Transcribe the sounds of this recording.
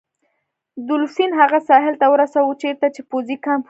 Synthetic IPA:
d̪ʊlsinɦaɣasɑɦɪlt̪awəɾasawət͡ʃeɾt̪at͡ʃepozikɑmp

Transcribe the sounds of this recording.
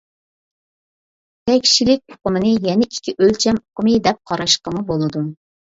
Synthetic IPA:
t̪ʰɛkʲt͡ʃilɪk̚ʲoqʊmɨnɨjɛnɪʔikʲʰːiʔølt͡ʃʰɛmoqəmɨd̪ɛp̚qʰɑɾɑʃqəmɨbolˠɨd̪u

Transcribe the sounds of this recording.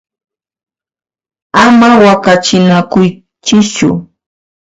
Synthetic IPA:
amawakat͡ʃɪnakʊj | t͡ʃɪt͡ʃʊ̰

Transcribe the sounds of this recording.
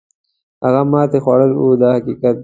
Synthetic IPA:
haɣamɑːt̪exwɑɽəlud̪ɑːhakikat̪̚

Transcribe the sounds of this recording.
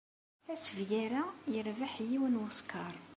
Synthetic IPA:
æsəvʝæɾæjəɾvaħjiwənwʊskʰɑɾˤ

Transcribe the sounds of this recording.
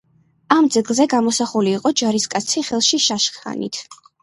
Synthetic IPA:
amd̪zɛɡlˠzɛɡamɔsaχuliːqʼɔd͡ʒaɾiskʼat̪sʰiχɛlˠʃiʃaʃχa̰nḭt̪ʰ

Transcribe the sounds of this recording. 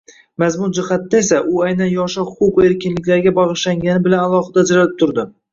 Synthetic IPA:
mazmʊɾd͡ʒɪhat̪nae̞s̬aʔʊajnanjɒʃɒhʊqʊqe̞ɾkʲɪnlɪkʲlaɾɡʲabɒʁɨʃlaŋɡʲanɪbɪlanalˠɒχɨd̪ad͡ʒɾalɪp̚t̪ʰʊɾd̪ɪ

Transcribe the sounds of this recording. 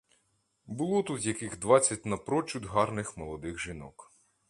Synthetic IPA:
bʊlˠɔt̪ut̪jɐkɪɣd̪ʋɑt͡sʲːɐtʲnɐpɾɔt͡ʃud̪ɦɑrnɪxmɔlˠɔd̪ɪxʒɪnɔ̰k

